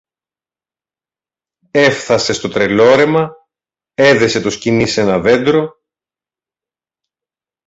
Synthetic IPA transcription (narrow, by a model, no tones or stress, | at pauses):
e̞fθɐse̞st̪ot̪ɾe̞lo̞ɾe̞mɐ | e̞ðe̞se̞t̪uscinise̞nɐðe̞nd̪ɾo̞